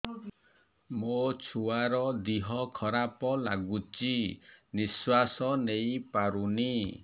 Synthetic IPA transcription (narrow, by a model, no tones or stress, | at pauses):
mot͡ʃʰuaɾɔd̪iɦɔkʰɔɾapɔlaɡut͡ʃiniswasɔnejpaɾuni